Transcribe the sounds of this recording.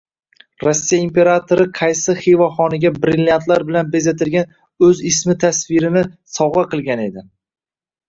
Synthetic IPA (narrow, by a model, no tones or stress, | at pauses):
ɾosːijaimpe̞ɾat̪ʰoɾɪqʰɑjsɪχevɒχɒnɪɡʲabɾilʲːjant̪laɾbɪlanbe̞zat̪ʰɪlɡʲan | ɵzɪsmɪt̪ʰasvɪɾɪnɪsɒwʁɑqɨlˠɡʲane̞d̪ɪ